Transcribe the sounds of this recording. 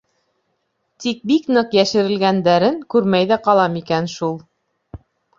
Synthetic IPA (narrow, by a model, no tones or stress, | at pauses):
t̪ik̚biknɤqjæʃɘ̆ɾɘ̆lɡænd̪æɾɘŋkʉɾmæjðæqɑlˠɑmikænʃulˠ